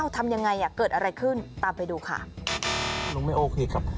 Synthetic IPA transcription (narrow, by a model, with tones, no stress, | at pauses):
a˥˩wt̪ʰa˧mja˧ŋːa˧jʔa˨˩kɤː˨˩t̪̚ʔa˧ɾa˧jkʰɯ˥˩nt̪aː˨˧mpa˧jduː˧kʰa̰˥˩ | luː˧ŋma˥˩jʔoː˧kʰeː˧ka˨˩p̚